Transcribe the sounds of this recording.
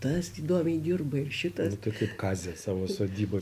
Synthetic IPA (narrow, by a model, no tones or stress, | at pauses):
t̪ɐsiːd̪oːmʲɛɪdʲɪrbɐɪrʃʲɪt̪ɐnʊt̪ɐɪkɐɪpkɑːzʲɛsɑːʋoːsoːd̪ʲiːboː